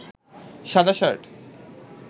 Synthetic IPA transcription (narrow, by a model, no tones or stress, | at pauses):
ʃad̪ʱaʃaɾʈ